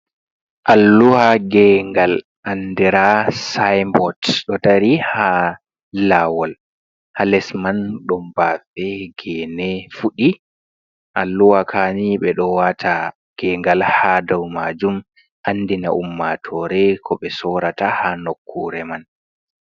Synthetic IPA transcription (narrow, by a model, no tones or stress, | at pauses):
ʔalːuhaɡɛŋɡal | ʔandɛɾasajmbɔtɗɔtaɾiha | lawɔl | halɛsmanɗɔmbafɛɡɛːnɛfuɗi | ʔalːuwakʰaniɓɛɗɔwatʰa | ɡ̥ɛŋɡalhadawmad͡ʒum | anːdina̰ʔumːatʰɔɾɛkʰɔɓɛsɔɾatahanokʰːuɾɛman